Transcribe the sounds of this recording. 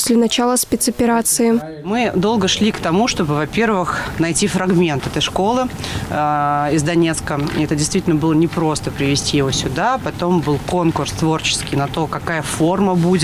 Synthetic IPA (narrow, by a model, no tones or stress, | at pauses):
sʲlʲɪnɐt͡ɕalˠəspʲɪt̪sɐpʲɪɾat̪sɨɪ | mɨd̪o̞lˠɡəʂlʲikt̪ɐmuʂt̪o̞bɨvɐpʲe̞rvɨxnɐjtʲifɾɐɡmʲe̞nt̪ɛt̪əjʂko̞lˠɨ | ɪzd̪ɐnʲe̞t̪skəɛt̪ədʲɪjst̪vʲitʲlʲnəbɨlˠənʲɪpɾo̞st̪əpɾʲɪvʲɪsʲtʲijɪvo̞sʲʊd̪apɐt̪o̞mbɨlˠko̞nkʊrst̪vo̞rt͡ɕɪ̥skʲɪijnɐt̪o̞kɐkajəfo̞rməbudʲɪt̪